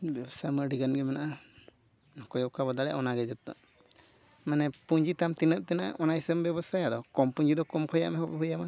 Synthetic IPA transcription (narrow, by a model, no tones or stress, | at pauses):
bsaməɾɖiɡanɡɛmanaʔa | nɔkɔjɔʔkabɔd̪aɽɛja̰ʔɔnaɡɛd͡ʒɔt̪ːɔ̰ | manɛpuɲd͡ʒit̪amt̪inət̪ʔ̪̚t̪ɛnaʔɔnajisəmbɛbasajad̪ɔkɔmpuɲd͡ʒid̪ɔkɔmkʰɔja̰ʔmɛhɔbɛbɔjama